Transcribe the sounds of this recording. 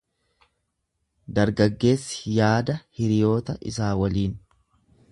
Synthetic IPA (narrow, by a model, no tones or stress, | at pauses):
d̪ɐɾɡɐɡːe̞ːsːjaːd̪ɐhɪɾɪjo̞ːt̪ɐʔɪ̰saːwɐliːn